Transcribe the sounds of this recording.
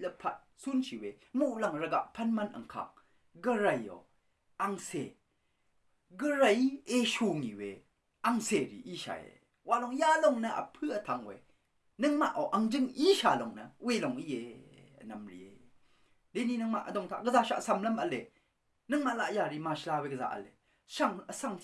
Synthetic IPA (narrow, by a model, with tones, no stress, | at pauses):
lɐpʰɐ˦t̚sunʃi˨wemu˨ʔla˨ŋɾɐɡa̰˨ʔpʰɐnmɐnʔɐ̰˨ŋkʰa̰˨ŋ̚ | ɡəɾajɔ̰˨ | ʔa˧ŋse˨ | ɡəɾajeʃu˨ŋi˨wḛ˨ | ʔaŋseɾḭ˨ʔi˦ʃa̰˨ḛ˨ | wa˨lɔ˨ŋja˦lɔ˨ŋnɐʔə̰˨pʰɯ˦ə˨t̪ʰa˨ŋwḛ˨ | nɯŋma˨ʔɔ˨wʔɐŋd͡ʒɯŋi˦ʃa˨lɔ˨ŋnɐ̰welɔŋi˦jenɐmɾḭ˨ḛ | le˦ni˦nɯŋma̰˨ʔədɔ˨ŋtʰa̰˨ɡəza˧ʃa̰˦ʔsa˨mlɐma˨le | nɯŋma˨ʔla˨ʔjaɾi˨ma˨ʃla˧weɡəza̰ː˨ʔə̰˨le˨ | saŋəsa˧ŋ